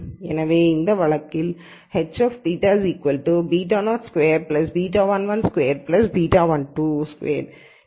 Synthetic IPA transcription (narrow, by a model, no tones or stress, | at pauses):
ɛnɐʋeːɪnd̪ɐʋɐɭɐkːɪl | hɛt͡ʃɔːft̪iːʈaːziːkʋɐlʈubiːʈ̬aːnaːskʋeːɾplɐsbiːʈ̬aːʋɐnʋɐnskʋeːɾplɐsbiːʈaːʋɐnʈuskʋḛːɾ